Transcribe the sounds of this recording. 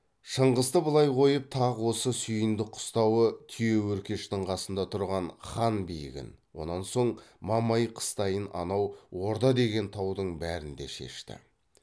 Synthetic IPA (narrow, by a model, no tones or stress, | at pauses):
ʃəɴʁəzt̪əbəlˠɑjqʰo̞jəp̚t̪ʰɑʁwo̞səsʏjənd̪ɪqʰʊ̥st̪ɑwət̪ʰije̞wɵɾkʲe̞ʃt̪ɪɴqʰɑsənd̪ɑt̪ʰʊɾʁɑnχɑnbijɪ̰ɡʲɪ̰n | wo̞̰nɑnso̞ɴmɑmɑjqʰə̥st̪ɑjənʔɑ̰nɑwwo̞ɾd̪ɑd̪e̞ɡʲe̞nt̪ʰɑwd̪əɴbæɾɪnd̪eʃe̞̰ʃt̪ɪ̰